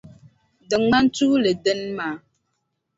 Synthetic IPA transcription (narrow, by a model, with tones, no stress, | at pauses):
dɨ˨ŋŋ͡ma˦n˦tu˦lɨ˨dɨ˦nmaː˦